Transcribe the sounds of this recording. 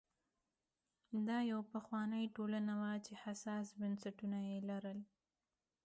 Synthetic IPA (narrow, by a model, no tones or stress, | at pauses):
d̪ɑjawpaxwɑnəjʈolanawat͡ʃehasɑsbənsaʈunajelaɾəl